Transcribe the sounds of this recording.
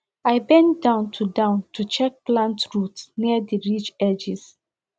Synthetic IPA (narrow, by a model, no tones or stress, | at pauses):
aɪbɛ̃ntdãʊ̃ntʰudãʊ̃ntʰut͡ʃɛk̚plãntɹutsniədiɹit͡ʃɛd͡ʒis